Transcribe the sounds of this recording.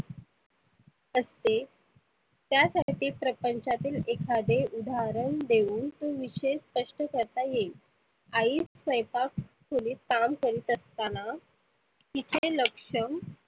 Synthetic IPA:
əst̪e | t̪jasaʈiːpɾəpəɲt͡ɕat̪iːlekʰad̪eʔud̪ʱaɾəɳd̪euːnt̪oʋiɕespəʂʈəkəɾt̪aje | aiːsʋəjpakkʰoliːt̪amkəɾiːt̪əst̪ana | kit̪ʰeləkʂəŋ

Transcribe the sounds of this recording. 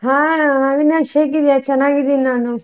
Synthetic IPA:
ɦãːɦaʋinaʃeːk̬id̪jat͡ʃɛnːaːɡid̪ininaːnu

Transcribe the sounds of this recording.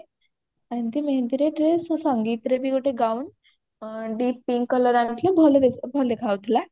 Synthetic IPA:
anit̪iməɦẽnd̪iɾeʈɾessəŋɡit̪ɾebikoʈeɡauːn | ɖiːpːiŋkːələɾãnt̪lebʱəld̪ebʱəld̪ekʰaʋt̪la

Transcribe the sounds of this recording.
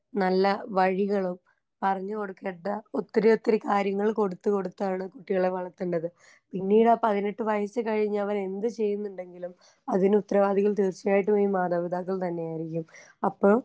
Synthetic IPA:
nɐlːɐʋɐɻiɣɐɭum | pɐrɐɲːɨko̞ɽukːeːʈːɐot̪ːiɾeo̞t̪ːɐɾikaːɾjɐŋːɐɭko̞ɽut̪ːuko̞ɽut̪ːaːɳɨkuʈːiɣɐɭe̞ʋɐɭɐt̪ːuɳɖɐðɨ | pinːiːɽɐpɐðineʈːɨʋɐjɐsɨkɐɻiɲːɐɐʋɐne̞nd̪ɨt͡ɕe̞jːunːuɳɖe̞ŋɡilum | ɐðinut̪ːɐɾɐʋaːd̪iɣɐlt̪iːrt͡ɕːɐjaːjiʈːumiːmaːðaːʋid̪aːk̬ːɐɭt̪ɐnːe̞jaːjiɾikʲːum | ɐpːo̞ː

